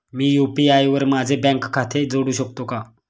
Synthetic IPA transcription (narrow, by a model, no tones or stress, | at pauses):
miːjupiajʋəɾmad͡ʑʱebɛ̃ŋkkʰːat̪ʰed͡zoɽuːɕək̚t̪oka